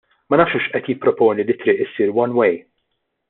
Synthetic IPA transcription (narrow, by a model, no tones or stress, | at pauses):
mɐnɐːfʃuʃʔɛt̪jɪpːɾɔpɔːnilit̪ɾɪːʔɪsiːɾwɐnwej